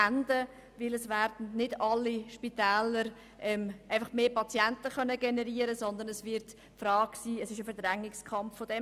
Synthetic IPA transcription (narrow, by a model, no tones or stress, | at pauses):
ændə | vɪlɛsvɛɾdn̩nɪdɑlːiʃpitɛːləɾ | ʔɛmʔaɪfɑχmeːpɑt͡sjɛntəχœnəɡɛnəɾiəɾəsɔnd̪ənɛsvɪɾt | fɾɑːɡ̥siːɛsɪʃəfɛɾdɾɛŋːɪkskʰɑmfːodɛ